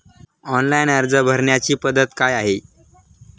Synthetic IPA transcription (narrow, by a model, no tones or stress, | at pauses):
ɔnlajnəɾd͡zəbʱəɾɳjat͡ɕiːpəd̪ət̪kajaɦe